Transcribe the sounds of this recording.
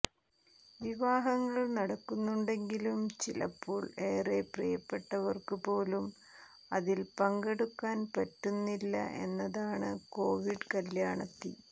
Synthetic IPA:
ʋiʋaːɦɐŋːɐɭnɐɽɐkːunːuɳɖe̞ŋɡilumt͡ɕilɐ̰pːoːɭe̞ːreprɐ̰jɐpːe̞ʈːɐʋɐrkɨpo̞ːlum | ɐðilpɐŋɡeɽukːaːnpɐtːunːilːɐ̰ʔe̞̰nːɐðaːɳɨ̰ko̞ːʋiɖkɐljaːɳɐt̪ːi

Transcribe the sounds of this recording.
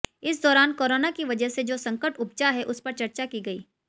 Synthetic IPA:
ɪs̬d̪ɔːɾaːnkoːɾoːnakiʋɐd͡ʒəɦsed͡ʒoːsɐ̃ŋkəʈʊb̚t͡ʃaɦɛʔʊspɐɾt͡ʃɐɾt͡ʃakiɡɐḭː

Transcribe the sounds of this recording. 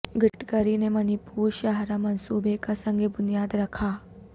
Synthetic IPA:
ɡʱəʈkəɾinemənipuːɾɕaɦɾamənsubʱekasəŋɡʱebunjad̪ɾakʰa

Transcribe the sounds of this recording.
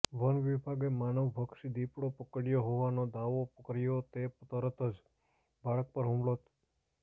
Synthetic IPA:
ʋənʋibʱaɡemanəʋːʱəkʃid̪ipɽopəkəɽjoɦoʋanod̪aʋopəkɾjot̪ept̪əɾət̪ʰəd͡ʒ | baɭək̚pəɾɦũmɭot̪

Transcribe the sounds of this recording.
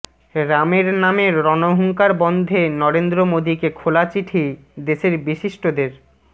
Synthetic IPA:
ɾameɾnameɾːɔnoɦuŋkaɾbɔnd̪ʱenɔɾend̪ɾomod̪ikekʰolat͡ɕiʈʰi | d̪eʃeɾbiʃiʃʈod̪eɾ

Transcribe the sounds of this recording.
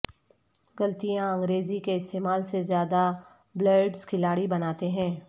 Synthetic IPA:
ɡɐlt̪ijãɐ̃ŋɡɾeːzikeɪst̪eːmaːlsezjaːd̪a | bləːɾɖskʰɪlaːɽibɐnaːt̪eɦɛ̃ː

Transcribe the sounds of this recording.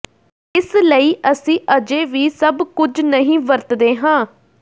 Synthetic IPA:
ɪsləiːʔəsĩːʔəd͡ʒeːʋiːsəbkʊd͡ʒnəɦĩːʋəɾt̪d̪eːɦãː

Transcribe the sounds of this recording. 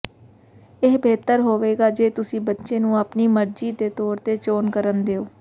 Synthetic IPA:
ɪːbeːt̪əɾɦoːʋeːɡaːd͡ʒeːt̪ʊsĩːbətːʃeːnũːapniːməɾd͡ʒiːd̪eːt̪oːɾt̪eːt͡ʃoːnkəɾənd̪eːoː

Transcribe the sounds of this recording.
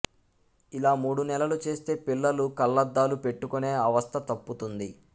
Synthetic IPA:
ilaːmuːɽunɛlɐlut͡ʃe̞ːst̪e̞ːpilːɐlukɐlːɐd̪ːaːlupe̞ʈːukune̞ːɐʋɐst̪ʰɐt̪ɐpːut̪und̪i

